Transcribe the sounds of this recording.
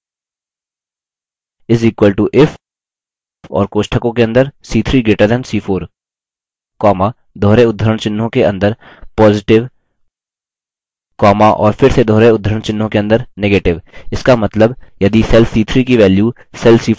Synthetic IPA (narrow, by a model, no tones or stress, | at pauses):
ɪziːkwəlʈuʔɪf | ɔ̰ːɾkoːʃʈʰəkõkeɐ̃nd̪əɾsiːt̪ʰɾiːɡeːʈəɾd̪ɛ̃ːnsiːfʰoːɾ | kɔːma | d̪ʱoːɾeʊd̪ʱəɾəɽ̃t͡ʃɪnːõkeɐ̰̃nd̪əɾ | pɔːzɪʈɪʋ | kɔːmaʔɔːɾpʰɪɾsed̪ʱɔːɾeʊd̪ʱːəɾəɳt͡ʃɪnːõkeɐ̃nd̪əɾneɡeːʈɪʋɪskamɐt̪ləbjɐd̪isɛlfsiːt̪ʰɾikiʋɛːlju | sɛlsiː